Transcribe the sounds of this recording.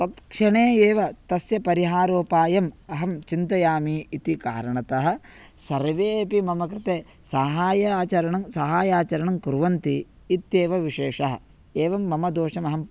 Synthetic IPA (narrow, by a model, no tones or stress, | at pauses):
t̪ɐt̪kʂɐɳeːeːʋɐt̪ɐsjɐpɐɾiɦaːɾoːpaːjɐmɐɦɐmt͡ʃint̪ɐjaːmiːit̪ikaːɾɐɳɐt̪ɐɦɐ̆ | sɐɾʋeːɐpimɐmɐk̬ɾɪt̪eː | sɐɦaːjɐaːt͡ʃɐɾɐɳɐmsɐɦaːjaːt͡ʃɐɾɐɳɐmkuɾʋɐnt̪iː | t̪jeːʋɐʋiʂeːʂɐɦɐ̰̆ | eːʋɐmːɐmɐd̪oːʂɐmɐɦɐm